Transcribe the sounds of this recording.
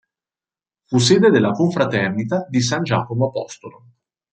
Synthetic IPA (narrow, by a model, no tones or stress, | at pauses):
fus̬eːd̪ed̪elːakoɱfɾat̪ɛrnit̪ad̪is̬and͡ʒa̰ːkomoapɔst̪olo